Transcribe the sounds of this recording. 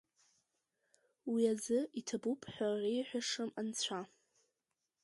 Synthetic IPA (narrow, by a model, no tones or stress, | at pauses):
wiazɨitʰabupʰħʷᶣarejħʷᶣaʂɨmant͡sʷʰa